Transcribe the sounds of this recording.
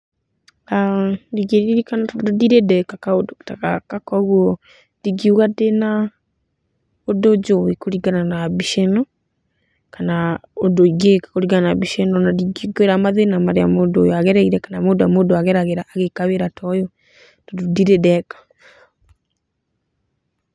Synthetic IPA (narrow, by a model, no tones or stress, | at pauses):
adiɣeɾiɾikanatdodiɾedɛkakaodotakakakɔɣwɔ | diɡiuɣadena | odod͡ʒowikoɾiɡananaβiʃɛnɔ | kanaodoiɡekḁkoɾiɡananaβiʃɛnɔnadiɡiɡoeɾamaðenamaɾea̰modojɔaɣɛɾaiɾɛkanamodoamodoaɣɛɾaɣeɾaʔːɣekaβeɾatʰɔjɔ | tododiɾedɛkḁ